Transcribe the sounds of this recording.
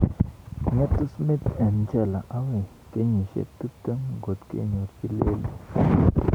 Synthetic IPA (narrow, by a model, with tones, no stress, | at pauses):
ŋɛ˦t̪ːu˦smi˦t̪ɛ˨nt͡ʃɛ˦˨la˨ʔa˦we˨ | ke˨˦ɲi˨ʃḛ˦t̪u˦t̪ə˦ŋɡo˨t̪kḛ˦˨ɲo˨ɾt͡ʃi˦le˦lḭ˨